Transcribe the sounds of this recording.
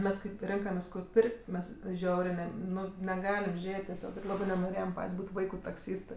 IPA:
ˈmʲɛs ˈkɐɪp ˈrʲɪŋkɐmʲeːs kʊr ˈpʲɪrʲkʲtʲ ˈmʲɛs ˈʒʲɛʊrʲeː nʲɛ ˈnʊ nʲɛˈɡɑːlʲɪm ˈʒʲeːtʲ tʲɛˈsʲoːk ˈɪr ˈlˠɑːbɜ nʲɛnoːˈrʲeːjɛm ˈpɐtʲsʲ ˈbuːtʲ ˈʋɐɪkʊ tɐkˈsʲiːstɜ

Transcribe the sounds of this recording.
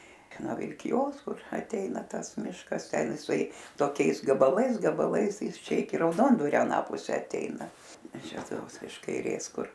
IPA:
noː ʋʲɪlʲkʲɪˈjoːs ˈkʊr ɐˈtʲɛɪnɐ ˈtɐs ˈmʲɪʃkɐs ˈtʲɛn ɪˈsɐɪ toːˈkʲɛɪs ɡɐbɐˈlˠɐɪs ɡɐbɐˈlˠɐɪs ˈjɪs ˈt͡ʃʲɛ ɪˈkʲɪ rɐʊˈdoːndʋɐrʲoː ɐˈnɑː pʊˈsʲɛ ɐtʲˈɛɪnɐ ˈɪs ˈt͡ʃʲɛ ˈtoːks ɪʃ kɐɪˈrʲeːs ˈkʊr

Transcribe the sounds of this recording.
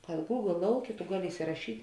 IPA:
kɐt ɡuːɡlˠ ˈlˠɐʊˌkʲeː tʊ ˈɡɑːˌlʲɪ ɪsʲɪrɐˈʃʲiːtʲ

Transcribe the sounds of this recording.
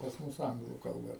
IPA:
pɐs ˈmʊs ˈɐŋɡlˠuː kɐlˠˈbɐ

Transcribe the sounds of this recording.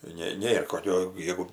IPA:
ˈnʲɛ ˈnʲeːr koːˈkʲoː ˈjæːɡʊ

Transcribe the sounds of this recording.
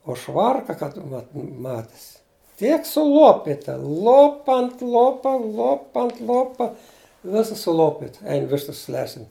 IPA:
oː ˈʃʋɐrkɐ kɐt ˈʋɐt ˈmɑːtʲɪs ˈtʲiɛk sʊˈlˠoːpʲɪtɐ ˈlˠoːpɐ ɐnt ˈlˠoːpɐ ˈlˠoːpɐ ɐnt ˈlˠoːpɐ ˈʋʲɪsɐs sʊˈlˠoːpʲɪt ˈɛɪn ˈʋʲɪʃtɐs ˈlʲæːsʲɪn

